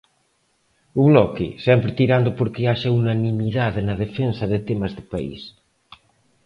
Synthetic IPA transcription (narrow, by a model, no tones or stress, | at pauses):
uβlɔkɪ̰sɛmpɾɪt̪iɾand̪ʊpoɾkeaʃaunanĩmiðaðenɐðefensɐðet̪emɐzðɪpaḭs